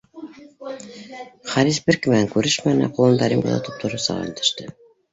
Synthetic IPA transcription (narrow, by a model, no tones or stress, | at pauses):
χɑɾisbɘ̆ɾkɘ̆mæŋkʉɾɘʃmænɘ̰qulˠɤ̆nd̪ɑɾimɡɤ̰nɤ̰t̪up̚t̪ʰŏɾɤsɑ̰ʁ̰ɵ̰̆nt̪ɘ̆ʃt̪ɘ